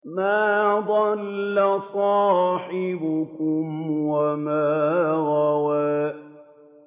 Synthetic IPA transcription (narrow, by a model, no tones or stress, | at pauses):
maːd̪ˤɑlːasˤɑːħɪbʊkʊmwamaːɾawaː